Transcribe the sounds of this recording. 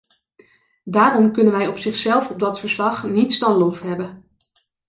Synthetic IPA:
daːrɔmkɵnənʋɛjɔpsɪχsɛlˠfɔb̚dɑtfəɹslɑχnitsdɑnlɔftɦɛbən

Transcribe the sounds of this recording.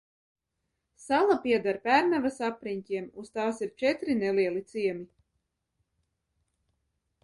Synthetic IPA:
salˠapiɛd̪aɾpʲæɾnavasapɾiɲcʲiɛmust̪aːsiɾt͡ʃɛt̪ɾineliɛlˠit̪siɛmi

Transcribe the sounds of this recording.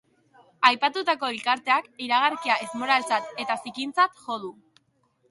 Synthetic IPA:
ajpat̪ut̪ako̞ilkaɾt̪e̞akiɾaɣ̞aɾkiaʔezmo̞ɾalt͡sat̪e̞t̪asikint͡sat̪ʝo̞ð̞u

